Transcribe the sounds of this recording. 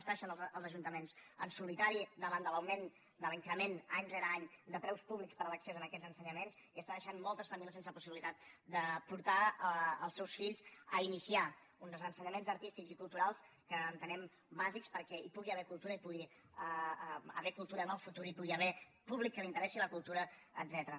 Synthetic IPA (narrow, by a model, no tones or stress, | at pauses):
st̪aəʃanəlzəlˠzəʒunt̪əmenz̥ənsulit̪aɾid̪əβand̪ələwmen | d̪əliŋkɾəmenaɲrɛɾəaɲd̪əpɾɛwspuβlikspəɾələksezənəkɛd͡zzənsəɲəmenziəsaðəʃanmɔlˠt̪əsfəmilisensəpu̥siβilit̪at̪̚d̪əpuɾt̪aəlˠsɛwsfiʎzəinisia | unzzənsəɲəmenzəɾt̪ist̪ikzikulˠt̪uɾalˠs | kəːnt̪ənɛm | bazikspəɾkɛipuɣiəβɛɾkulˠt̪uɾəipuɣi | əə̰βɛkulˠt̪uɾənəlˠfut̪uɾipuɣiəβɛ | puβlikːəlint̪əɾɛsiləkulˠt̪uɾəə̰d̪zɛt̪əɾə